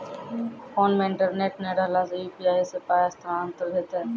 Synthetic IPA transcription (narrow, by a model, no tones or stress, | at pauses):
fʰoːnmẽɪ̃ɳʈəɾneːʈneɾəɦlasupiaːisepaːjast̪ʰɾaənt̪əɾd̪ʱeːt̪ɦɛː